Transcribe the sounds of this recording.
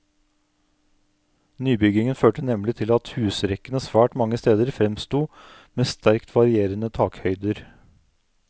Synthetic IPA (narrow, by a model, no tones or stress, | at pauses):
nyːbʏɡɪŋənføːʈənɛmlɪt̪ʰɪlɑt̪hʉːsɾɛkənəsʋæːʈmɑŋːəst̪eːd̪əɾfɾɛmst̪uː | meːst̪æɾkt̪ʰʋɑɾɪeːɾənət̪ʰɑːkhœʏd̪əɾ